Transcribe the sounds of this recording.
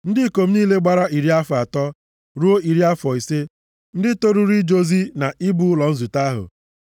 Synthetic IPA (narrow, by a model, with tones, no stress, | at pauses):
n̩˦dɪ˦˨ko˨m̩˦niː˦le˦ɡ͡ba˨ɾa˦i˨ɾi˦a˦fa˨tɔ˦ | ɾu˦o˦i˨ɾi˦a˦fɔ˨i˨se˦ | n̩˦dɪ˦to˦ɾu˦ɾi˦d͡ʒo˦zi˦na˨ʔi˦bu˦lɔ˨n̩˦zu˨ta˦ɦʊ̰˨